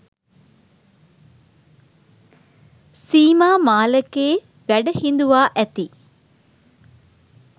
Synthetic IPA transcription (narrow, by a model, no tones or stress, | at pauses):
siːmaːmaːlɐkeː | ʋæɖɐhind̪uʋaːʔæt̪i